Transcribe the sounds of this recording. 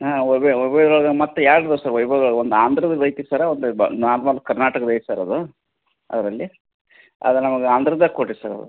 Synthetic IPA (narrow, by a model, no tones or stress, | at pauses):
aeojbɐd̪ɐɭɐɡemɐt̪ːejaːɡɐd̪ɐsaɾʋɐjbʱaɡɐɭɡond̪aːnd̪ʱɾɐd̪ɐd̪ɐjt̪isaɾeond̪unaːɾmalkɐɾnaːʈɐkɐd̪ɐjt̪isaːɾɐd̪u | ɐ̰d̪ɐɾɐlːi | ɐ̰d̪unɐmɐɡeaːnd̪ɾɐd̪ɐkoʈːisaɾɐ̰d̪ṵ